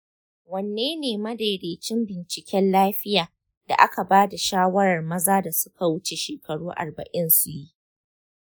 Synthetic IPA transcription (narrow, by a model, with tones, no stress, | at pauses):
wɐ˨nːeː˦neː˨mɐ˦de˨ɽeː˨t͡ʃɪ˦mbɪ˨nt͡ʃɪ˨kʲɛ˦nlaː˦ɸɪ˦jaː˨ | da̰˨ʔa˦ka˨baː˦da˨ʃaː˦wɐ˦ɾɐ˨rmɐ˦zaː˦da˨sʊ̥˦ka˨wʊ˦t͡ʃe˨ʃeː˨kɐ˨ɽuː˦ʔa̰˨rbɐ̰˨ʔɪ˦nsu˨ji˦ʔ